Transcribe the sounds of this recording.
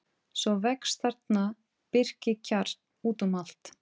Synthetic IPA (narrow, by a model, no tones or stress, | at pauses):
svɔvɛkst̪aɾ̥t̪na | pɪr̥cɪcʰaɾt̪ | uːt̪ʏmal̥t̪